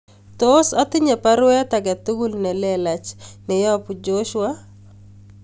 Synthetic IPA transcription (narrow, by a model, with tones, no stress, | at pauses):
to˦sa˦tɪ˦ɲɛ˨pa˦ɾwɛ˦ta˨ɡa˨tu˦ɡu˦lnɛ˨lɛla˨t͡ʃnɛ˨ja˦pu˨d͡ʒoʃwa